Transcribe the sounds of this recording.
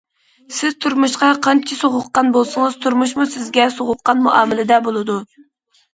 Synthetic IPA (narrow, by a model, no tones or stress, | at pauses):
sɪz̥t̪ʰuɾmuʃqɑqʰɑnt͡ʃʰɪsoʁʊqːɑnbolˠsɨŋəz̥t̪ʰuɾmuʃ̬musɪzɡʲɛsoʁʊqːɑnmuʔɑːmɪlɪd̪ɛbolˠɨd̪u